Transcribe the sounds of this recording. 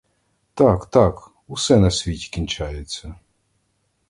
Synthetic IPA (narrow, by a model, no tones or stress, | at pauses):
t̪akt̪ak | usɛnɐsʲʋʲitʲi̥kʲinʲt͡ʃajesʲɐ